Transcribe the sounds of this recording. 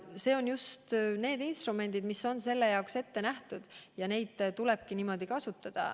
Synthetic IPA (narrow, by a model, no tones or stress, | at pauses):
se̞ːo̞njust̪ne̞ːd̪inst̪ɾume̞nʲd̪̥id̪̥misːo̞nse̞lːe̞jɑokse̞t̪ːe̞næht̪ud̪̥jɑne̞jd̪̥t̪ule̞b̥kiniːmo̞d̪̥ikɑsut̪ːˑɑd̪̥ɑ̰